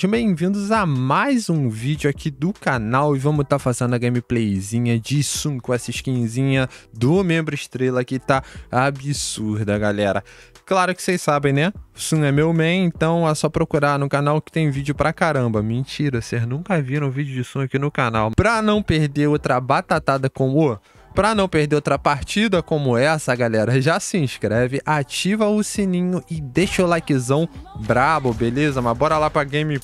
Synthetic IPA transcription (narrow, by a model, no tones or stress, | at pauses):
ʒɐ̃bẽj̃vĩnd̪ʊzamajzũvid͡ʒʊakʰid̪ʊkanawɪvɐ̃mʊt̪afazẽnd̪ʊɐɡẽmiplejzĩɲɐd͡ʒɪsũkõɛsɐɪʃkĩɲzĩɲɐd̪ʊmẽmbɾʊɪʃt̪ɾelɐkɪt̪aabisuɾd̪ɐɡalɛɾɐ | klaɾʊkɪ̥sejssabẽj̃nɛsũɛmewmẽj̃ẽnt̪ɐ̃w̃asɔpɾokuɾaɾnʊkanawkɪ̥t̪ẽj̃vid͡ʒʊpɾɐkaɾɐ̃mbɐmẽt͡ʃiɾɐsejznũŋkɐviɾɐ̃w̃vid͡ʒʊd͡ʒɪsũɐkinʊkanawpɾɐnɐ̃w̃peɾd̪eɾowt̪ɾɐbat̪at̪ad̪ɐkõmo | pɾɐnɐ̃w̃pehd̪eɾowt̪ɾɐpaɾt͡ʃid̪ɐkõmʊɛsɐːɡalɛɾɐʒasɪĩʃkɾɛvɪʔat͡ʃivɐʊsinĩɲʊʔɪd̪eʃɐʊlakizɐ̃w̃bɾavʊbelezɐmɐzbɔɾɐlapɾɐɡẽmɪ